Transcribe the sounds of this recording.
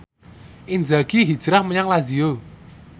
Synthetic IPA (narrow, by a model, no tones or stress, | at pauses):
ʔind͡ʒaɡ̥iɦid̥ʒ̥ɾahməɲaŋlazio